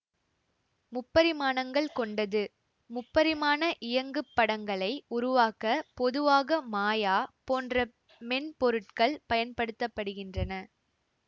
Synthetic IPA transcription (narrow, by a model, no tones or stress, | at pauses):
mʊpːɐɾɪmaːnɐŋɡɐɭkɔɳɖɐðɯ | mʊpːɐɾɪmaːnɐʔɪjɐŋɡɯpːɐɽɐŋɡɐɭɐɪʊɾʊʋaːkːɐpɔðɯʋaːɣɐmaːjaːpoːndrɐ | mɛnpɔɾɯʈkɐɭpɐjɐnpɐɽɯt̪ːɐpːɐɽɯɣɪndrɐnɐ